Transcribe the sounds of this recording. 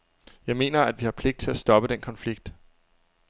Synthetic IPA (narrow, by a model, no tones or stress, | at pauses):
jɑ̈ɪme̝̰ːnɐæd̥ʋihɑ̈pʰle̝ɡ̥̚d̥̚t͡sʰe̝læsd̥ɒ̽b̥əd̥enkʰɒ̽nfliɡ̥̚d̥